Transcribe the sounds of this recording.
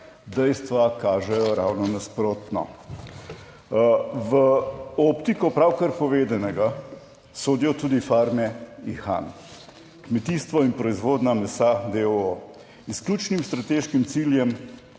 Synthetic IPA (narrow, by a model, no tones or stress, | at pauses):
d̪ɛjst̪ʋakaːʒɛjɔɾa̰wnɔnaspɾoːt̪nɔ̰ | ʋəɔpt̪ikɔpɾawkaɾpɔʋeːd̪anɛɡa | soːd̪ijɔt̪uːd̪ifaːɾmɛixa̰n | kmɛt̪iːst̪ʋɔinpɾɔizʋoːd̪namɛsad̪eɔ | sklʲuːt͡ʃnimst̪ɾat̪eːʃkimt̪siːljɛm